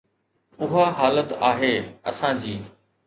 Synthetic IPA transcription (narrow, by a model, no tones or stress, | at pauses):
ʊɦaɦaːlət̪aːɦeːɐ̰sãd͡ʑiː